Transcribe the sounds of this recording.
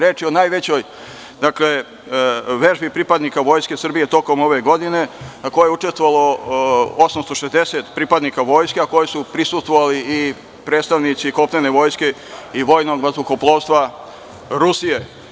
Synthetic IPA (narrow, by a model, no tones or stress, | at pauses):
ɾeːt͡ʃio̞naːjʋe̞t͡ɕo̞j | d̪akle | ʋeʒbipɾipad̪nikaʋo̞ːjske̞sr̩bije̞t̪o̞ko̞mo̞ʋe̞ɡo̞d̪ine̞nakojeeut͡ʃest̪ʋoʋalˠo̞ | osamst̪o̞ʃezd̪eset̪pɾipad̪nikaʋo̞ːjskeako̞jesupɾisust̪ʋoʋalii | pɾet̪st̪aʋnit̪siko̞plene̞ʋo̞ːjske̞ | iʋo̞jno̞ɡmazukoplˠo̞ːʋst̪ʋa | ɾusije̞